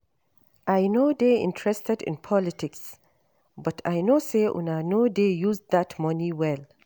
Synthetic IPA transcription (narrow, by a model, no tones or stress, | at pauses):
ʔajnoːd̪eɪ̰̃ntʰɹɛstɛdɪ̰̃npʰɔlɪtɪks | bʌtʰa̰jnoːseʔṵ̃najnod̪ejuzðatmʌniwɛl